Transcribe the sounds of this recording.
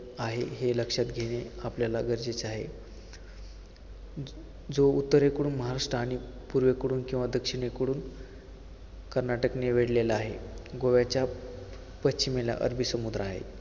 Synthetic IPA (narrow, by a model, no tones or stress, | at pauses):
aɦeɦeləkʂat̪ɡʱeɽ̃eapljalaɡəɾd͡ʑet͡saɦe | d͡zout̪ːəɾekəɽuːnməɦaɾaʂʈɾəaːɽ̃i | puɾʋekəɽuːnkĩw̃ʋad̪əkʂiɽ̃ekəɽuːn | kəɾnaʈəkneʋeɽleləaɦeɡoʋjat͡ɕja | pətt͡ɕimela̰ʔə̰ɾbʱisəmud̪ɾəaaɦḛ